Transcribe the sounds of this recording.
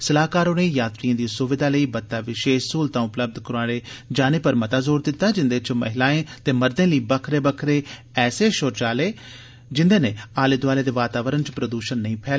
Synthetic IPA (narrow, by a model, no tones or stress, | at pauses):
səlaːkaːɾoːneːjaːt̪ɾijãːd̪iːsʊʋɪd̪aːləiːbət̪ːaːʋɪʃeːʃsuːlt̪ãːʊpləb̚d̪kəɾaːɽeːd͡ʒaːneːpəɾmət̪aːzoːɾd̪ɪt̪ːaːd͡ʒɪnd̪eːt͡ʃmə̰ɦɪlaːẽːt̪eːməɾd̪ẽːləiːbəkʰɾeːbəkʰɾeː | ɛːseːʃoːɾt͡ʃaːleː | d͡ʒɪnd̪eːneːaːlɪd̪ʋaːleːd̪eːʋaːt̪aːʋəɾənt͡ʃpɾəd̪uːʃənːəĩːpʰɛː